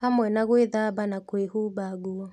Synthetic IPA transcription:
amwɛnaɣweðabanakwehubaɡuɔ

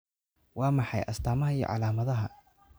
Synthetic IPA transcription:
wɑːmɑħɑ̰jʔɐst̪ʰaːmɐɦɐijɔ̰ʕɑ̰laːmɐðɐɦɐ

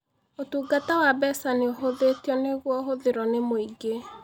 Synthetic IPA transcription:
otuːɡatawabɛsaneoɦoðetɔneɣwɔɦoðeɾɔnemoiɡe

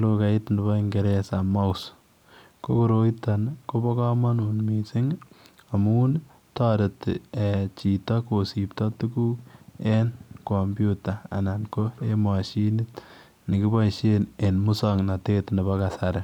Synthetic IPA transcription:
lokaitnebɔiŋɡeɾesamaus | kokoɾoitankobɔkɔmanuːnmisɪŋ | amuːn | tɔɾetet͡ʃitɔkosip̚tɔtukuenkɔmbjutaa̰nankoemaʃinit | nikibɔʃenenmusɔŋnatetnibɔkasaɾe

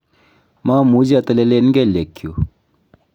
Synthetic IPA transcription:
mãmud͡ʑat̪ɐlelenɡelekʰːju

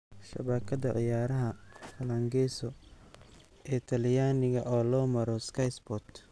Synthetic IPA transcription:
ʃɐ̰βɐkʰɐðɐʕɪ̰jaːɾɐɦɐfɐlɐŋɡɛsɔ | ɛt̪ʰɐlɪjaːnɪɣɐʔɔːlɔːmɐɾɔskʰɐjsbɔt̪

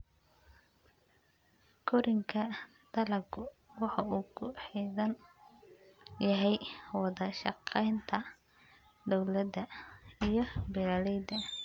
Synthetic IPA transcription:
kʰʊɾɪŋkʰɐ | d̪̥ɐlɐɡʰʊwɑħɑuːkʰʊħiðɐn | jɐɦɛjwɑðɐʃɑ̰qɛjnt̪ʰɐ | d̪ɔwlɐd̪ɐijɞbɛlalɛjd̪ɐ

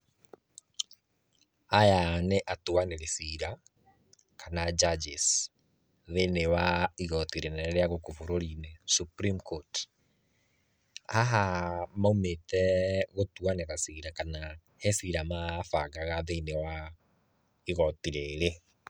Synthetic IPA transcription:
ajaneʔatwaneɾesiɾa | kanad͡ʒad͡ʒis | ðenewaiɣɔtiɾenɛɾeaɣokofoɾoɾinɛsupɾimkot | haɦamaumetɛɣotwaneɾasiɾakana | hɛsiɾamafaɡaɣaðenewa | iɣɔtiɾeɾe

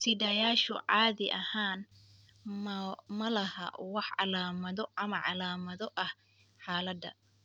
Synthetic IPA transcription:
sʰɪdɐjaːʃʊʕɑːðɪʔɐhaːn | ɐmɐlɐhɐ̰wɑħɑlaːmɐðɔʔɐmɐʕɑ̰laːmɐðɔʔɐh | ħɑːlɐd̪ɐ̰

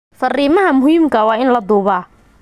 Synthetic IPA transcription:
fɐriːmɐɦɐmʊɦiːmkʰɐwɑːɪnlɐd̪uːβaː

